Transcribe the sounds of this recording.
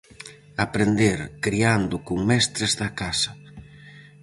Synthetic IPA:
apɾend̪eɾkɾiand̪ʊkoŋmɛst̪ɾezðɐkasɐ

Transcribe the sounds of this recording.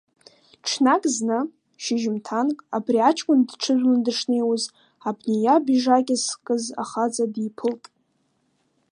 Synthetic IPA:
ʈ͡ʂʰnakʼznɨ | ʃɪʒɪmtʰankʼabriat͡ʃʰʼkʷʼʊndʈ͡ʂʰɨzʷᶣlɨndɨʂnejwuz | abnejabiʐakʲʼɪskʼɨza̰χad͡zadipʰɨltʼ

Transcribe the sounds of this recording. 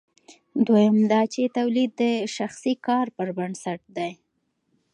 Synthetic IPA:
d̪wojamd̪ɑt͡ʃet̪awlid̪̚ːəʃaxsikɑɾpəɾbansaʈ̚d̪aj

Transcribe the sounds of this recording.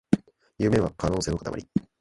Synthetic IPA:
jɯ̟ːmẽ̞βakano̞ːse̞ːnokat̪a̰ma̰ɾʲi

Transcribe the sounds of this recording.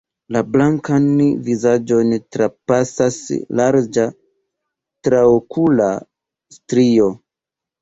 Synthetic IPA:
lablaŋkanvizad͡ʒo̞ntɾapasaslaɾd͡ʒa | tɾaokʰula | stɾio̞

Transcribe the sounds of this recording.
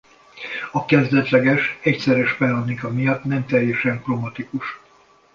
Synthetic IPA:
ɒkɛzd̪ɛt̪lɛɡɛʃɛcsɛɾɛʃbɛlɒnːikɒmijɒt̪nɛmt̪ɛjɛʃɛŋkromɒt̪ikuʃ

